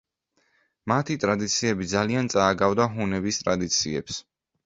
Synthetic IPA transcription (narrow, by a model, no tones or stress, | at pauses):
mat̪ʰit̪ʼɾad̪it̪sʰiɛbid̪zaliant̪sʼaːɡavd̪aɦunɛbist̪ʼɾad̪it̪sʰiɛ̰ps